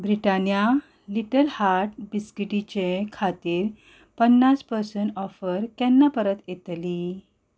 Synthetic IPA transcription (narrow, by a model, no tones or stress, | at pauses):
bɾiʈanja | liʈəlhaɾʈ̚biskiʈit͡ɕekʰat̪iːɾ | pənːaspəɾsəɳɔfəɾkɛnːapəɾət̪jet̪li